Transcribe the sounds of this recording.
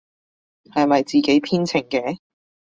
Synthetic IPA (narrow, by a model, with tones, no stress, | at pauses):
hɐ˨jmɐ˨jt͡siː˨ke˨˥jpʰiː˥nt͡sʰɪ˨˩ŋkɛː˨˥